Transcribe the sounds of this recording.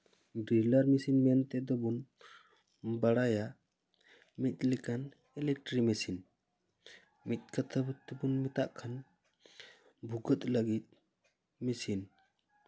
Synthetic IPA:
ɖɾilaɾmisinmɛant̪ɛd̪ɔbun | baɽaja | mit̪̚likan | ɛlɛk̚ʈɾimisin | mit̪̚ˀkʰət̪ʰabt̪ɛbunmit̪aʔkʰan | bʱuɡət̪ləɡit̪̚ | misin

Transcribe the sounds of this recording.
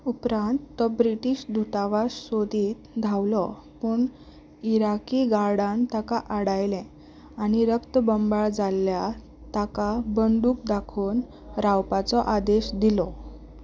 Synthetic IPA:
upɾãnt̪ːɔbɾiʈiːɕd̪ʱut̪aʋassod̪ʱiːt̪d̪ʱawlɔ | puːɳ | iɾakiɡaɽãnt̪akaʔaɽajlɛ̃ | aɽ̃iɾəkt̪əbəmbaɭd͡zalːja | t̪akabəɳɖuːk̚d̪akʰuːn | ɾawpat͡sɔʔad̪eɕd̪ilɔ

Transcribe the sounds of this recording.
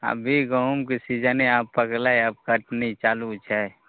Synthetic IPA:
a̰bʱiɡəumkisid͡ʒəneaːpːəklaeap̚kəʈnit͡ʃaːlut͡ʃʰɛ

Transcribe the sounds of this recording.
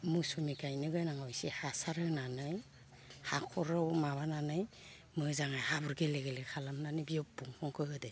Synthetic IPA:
musumikajnɯɡɯjnaŋawjsihasaɾɯnanɯj | hakʰɔɾawmaβananɯj | mɯzaŋajhabuɾɡeleɡelekʰalamnanɯbiɔbuŋkʰɔŋkʰɯhɯde

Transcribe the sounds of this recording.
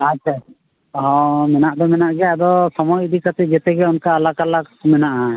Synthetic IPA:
at͡ʃʰa | ɦɔ̃mɛnaʔd̪ɔmɛnaʔɡɛjad̪ɔsɔmɔjd̪ikat̪ɛd͡ʒɛt̪ɛɡɛunkaːlakalakmɛnaʔa

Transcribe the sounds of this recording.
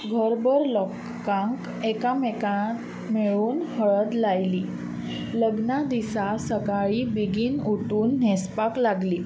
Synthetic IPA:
ɡʱəɾbəɾlɔkː | ãŋk | ɛkamɛkat̪ | meɭuːnhəɭəd̪lajliː | ləɡnad̪isasəkaɭiːbiɡiːnuʈuːnːɛspaklaɡliː

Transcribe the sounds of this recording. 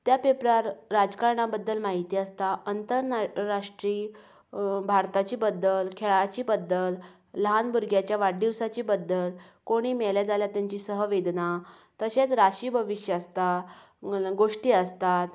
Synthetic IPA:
t̪japepɾaɾɾad͡zkaɾɳabəd̪ːəlmaɦit̪iːəst̪aʔənt̪əɾːaʂʈɾiː | bʱaɾt̪at͡ɕiːbəd̪ːəlkʰeɭat͡ɕiːbəd̪ːəlː | əɦanbuɾɡjat͡ɕjaʋaɽɖiʋsat͡ɕiːbəd̪ːəl | koɽ̃iːmeɭljad͡zaljat̪jaɲt͡ɕiːsəɦəʋed̪na | t̪əɕet͡sɾaɕiːbʱəʋiɕjəəst̪a | ɡoʂʈiːəst̪at̪

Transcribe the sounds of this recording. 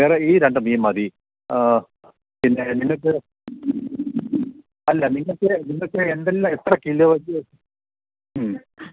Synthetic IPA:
ʋeːreiːɾeɳɖɨmiːmɐd̪i | pinːeniŋːɐɭk̬ːɨ | ɐlːɐniŋːɐɭkːɨniŋːɐɭkːɨend̪elːamet̪rɐkːilːjoʋɐɲɨ

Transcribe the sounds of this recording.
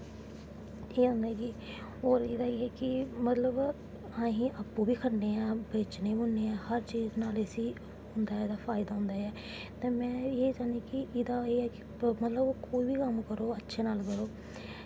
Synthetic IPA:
eːɦʊ̃nd̪aɡiː | oːɾeːd̪aːeːɛːkɪmət̪ləb | ãːɦĩːʔəpːũːbiːkʰəɽneːãːbeːt͡ʃneːbʊnːeːãːhəɾt͡ʃiːznaːlesiː | ɦʊnd̪aːd̪aːfʰaːɪd̪aːɦʊ̃nd̪aːɛː | t̪ãːmɛ̃ːeːd͡ʒaːnd̪iːkɪɪd̪aːeːɛːkɪ̥ | mət̪ləboːkoːiːbiːkəmkəɾoːətːʃʰeːnaːlkəɾoː

